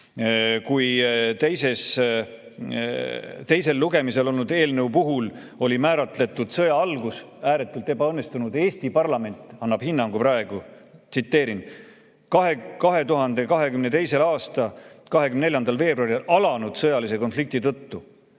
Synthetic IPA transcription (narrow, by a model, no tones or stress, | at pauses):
kujt̪e̞jse̞s | t̪e̞jse̞lːuɡe̞mise̞lo̞lnud̪̥e̞ːlnəupuɦul | o̞lʲimæːɾɑt̪le̞t̪ːˑud̪̥sɤjɑɑlɡus | æːɾe̞t̪ːˑult̪ːe̞bɑɤnːe̞st̪unud̪e̞ːsʲt̪ipɑrlɑme̞nʲt̪ˑɑnːɑb̥hinːɑŋɡ̥upɾɑeɡ̥u | t̪sit̪ːe̞ːɾin | kɑɦekɑɦe̞t̪uɦɑnd̪̥e̞kɑɦe̞kymne̞t̪e̞jse̞lɑːst̪ɑkɑɦekymne̞lʲjɑnd̪ɑlve̞ːbrɑɾilʔɑlɑnud̪̥sɤjɑlise̞ko̞nflik̚t̪it̪ɤt̪ːu